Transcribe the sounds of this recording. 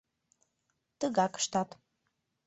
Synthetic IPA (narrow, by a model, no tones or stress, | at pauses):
t̪əɣɑkə̥ʃt̪ɑt̪